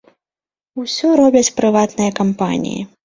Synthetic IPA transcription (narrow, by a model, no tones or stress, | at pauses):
usʲɔɾɔbʲɐt͡sʲpɾɨvat̪nɨjɐkampa̰nʲḭjḭ